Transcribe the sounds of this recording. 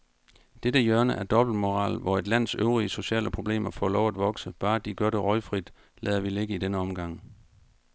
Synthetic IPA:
d̥edəjɶɐnəʔæɐd̥ɒ̽b̥l̩d̥mo̝ʁɑ̰̈ːlʋɒe̝d̥læn̰søʊʁiəso̝ɕɛ̰ːləpʰʁo̝b̥le̝̰ːmɐfɒ̰ːlɒʊæd̥ʋɒ̽ɡ̥səb̥ɑ̈ːd̥iɡ̥ɶɐɾ̥e̝ʁɒ̽ɪfʁid̥ | lɛːðˠɐʋile̝ɡ̥əidenəɒ̽mɡ̥ɑ̈ŋ̰

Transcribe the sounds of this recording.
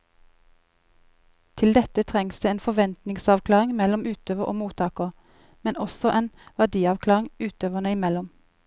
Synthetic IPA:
t̪ʰɪld̪ɛt̪ət̪ʰʁɛŋsd̪eːeːnfɔʋɛnt̪nɪŋsɑːʋkʰlɑːʁɪŋmɛlɔmʉːt̪øːʋəʁʔo̰ːmuːt̪ʰɑːkəʁ | mɛnʔɔsɔʔeːnʋæʁd̪iːɑʋkʰlɑːʁɪŋʉːt̪øːʋənəɪmɛlɔm

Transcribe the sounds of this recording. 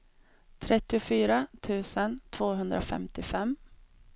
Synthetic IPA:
t̪ʰɾɛt̪ːɪʊfyːɾat̪ʰʉ̟ːsənt̪ʰv̥oːɦɵnd̪ɾafɛ̰mt̪ɪfɛmː

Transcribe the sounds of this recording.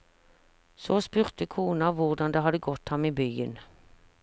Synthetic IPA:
soːspʉːʁt̪əkʰuːnɑʋʊʁd̪ɑnd̪eːɦɑd̪əɡɔt̪hɑmiːbyːən

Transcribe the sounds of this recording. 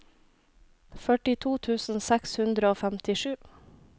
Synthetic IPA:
fœʈɪt̪ʰuːt̪ʰʉːsn̩sɛkshʉnd̪ɾəoːfæmt̪ɪʃʉː

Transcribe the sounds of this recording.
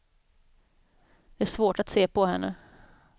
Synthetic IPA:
d̪̥ɛæʂvoːʈat̪seːpʰɔɦɛnːə

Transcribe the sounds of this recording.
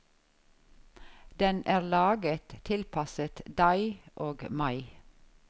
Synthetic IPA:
d̪ɛnʔæːʁlɑːɡət̪ʰɪlpʰɑsət̪d̪ɑɪʔoːɡmɑɪ

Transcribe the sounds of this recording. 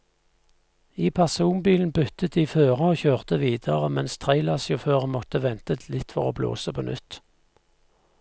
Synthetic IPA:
iːpʰæʁsuːmbiːln̩bʉt̪ət̪̚d̪iːføːʁəoːçøːʁt̪əʋiːd̪əʁəmɛnst̪ʰʁæɪlɑːsjʊføːʁəmɔt̪əʋɛnt̪ət̪ʰlɪt̪fɔʁo̰ːblo̰ːsəpʰonʔʉt̪

